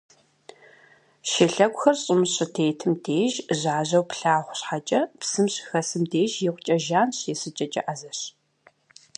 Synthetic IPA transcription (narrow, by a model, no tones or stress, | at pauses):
ʃɪɬɐɡʷxɐrɕʼɪmɨɕʼɨtʰeːtʰɨmdeːʒʑaːʑɐwpɬaːʁʷɕħat͡ʃʼɐpsɨmɕxɐsɨmdeːʒjɪʁʷʊt͡ʃʼɐʒaːnɕeːsɨt͡ʃʼɐt͡ʃʼɐ̰ʔazɐɕ